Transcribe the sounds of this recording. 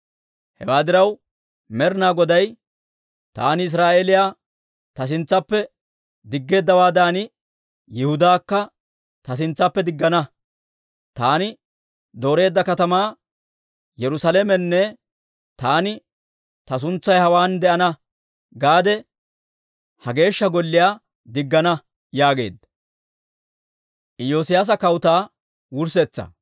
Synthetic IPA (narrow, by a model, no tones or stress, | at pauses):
hɛ̰waːd̪ɪɾɐw | mɛɾnaːɡɔd̪ɐj | t̪a̰ːnɪɪs̬ɾaːʔeːlɪjaː | t̪ɐs̬ɪnt͡sːɐpːɛ | d̪ɪɡːe̞ːd̪ːɐwaːd̪aːnɪ | jɛhʊd̪aːkːɐ | t̪ɐs̬ɪnt͡sːɐpːɛd̪ɪɡːɐnɐ | t̪aːnɪ | d̪o̞ːɾe̞ːd̪ːɐkɐt̪ɐmaː | jɛɾʊsɐleːmɛnːɛ | t̪aːnɪ | t̪ɐs̬ʊnt͡sːɐjhɐwaːnd̪ɛʔɐnɐ | ɡaːd̪ɛ | hɐɡe̞ːʃːɐɡɔlːɪjaː | d̪ɪɡːɐnɐ | jaːɡe̞̰ːd̪ːɐ | ʔɪjoːsɪjaːs̬ɐkɐwʊt̪aː | wʊɾsɛt͡sːɐ̰